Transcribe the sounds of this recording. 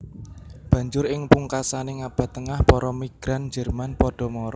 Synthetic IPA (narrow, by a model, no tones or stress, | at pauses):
b̥ä̤ɲd͡ʒʊɾɪŋpuŋkasaneŋab̥ä̤t̪ːəŋahpɔɾɔmiɡ̥ɾandd͡ʒərmanpɔɖ̥ɔ̤mɔɾɔ